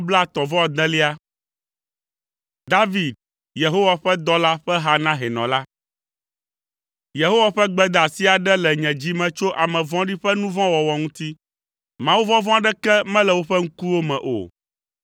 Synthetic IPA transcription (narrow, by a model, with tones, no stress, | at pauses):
bla˦˨t̪ɔ˨vɔ̃˦˨d̪ɛ̃˦li˦a˦ | d̪a˦vi˨d̪̚ | je˨ɦo˦wa˨ɸɛ˦d̪ɔ˦la˦ɸɛ˦ɦa˦nã˦ɦɛ˨nɔ̰̃˨la˦ | je˨ɦo˦wa˨ɸɛ˦ɡ͡bɛ˦d̪a˨si˦a˨ɖɛ˦lɛ˨ɲɛ̃˨d͡ʑi˦mɛ̃˨t͡ʃo˦ʔa˨mɛ̃˨vɔ̃˦ɖi˦ɸɛ˦nũ˦vɔ̃˦wɔ˨wɔ˨ŋũ˦t̪i˦ | mã˨wu˦vɔ̃˦vɔ̃˦a˦ɖɛ˦kɛ˦mɛ̃˦lɛ˨wo˦ɸɛ˦ŋ̩˦ku˦wo˦mɛ̰̃˨ʔo̰˨